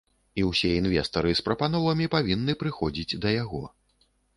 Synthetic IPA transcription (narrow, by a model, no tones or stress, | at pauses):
iwsʲɛinvʲɛst̪ɐɾɨspɾɐpanɔvɐmʲipavʲinːɨpɾɨxɔd͡zʲid͡zʲd̪ɐjaɣɔ̰